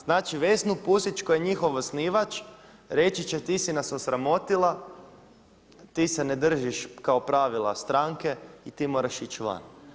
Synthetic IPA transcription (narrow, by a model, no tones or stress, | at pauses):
znaːt͡ʃiʋe̞snupusit͡ʃkojeɲixo̞ʋosniːʋat͡ʃ | ɾe̞t͡ʃit͡ʃe̞t̪isinasosɾamo̞t̪ilˠa | t̪iːsene̞d̪r̩ʒiʃkao̞pɾaʋilˠa̰st̪ɾaŋke̞it̪iːmo̞ːɾaʃit͡ʃʋa̰n